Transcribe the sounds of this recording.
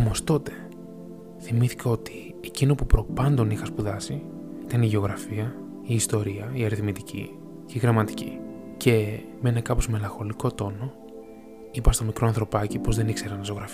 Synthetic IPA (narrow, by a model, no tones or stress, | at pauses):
omo̞st̪o̞t̪e̞̥ | θimiθi̥kɐo̞t̪i | ecino̞pupɾo̞pɐnd̪o̞nixɐspuðɐsi | it̪ɐniʝeo̞ɣɾɐfiɐ | iːst̪o̞ɾiɐiɐɾiθmit̪icḭ | ceiɣɾɐmɐt̪i̥cḭ | ce̞ | menɐkɐpo̞zme̞lɐ̃ŋxo̞liko̞t̪o̞no̞ | ipɐst̪o̞mikɾo̞ɐnθɾo̞pɐcipo̞zðe̞nikse̞ɾɐnɐsoɣɾɐfi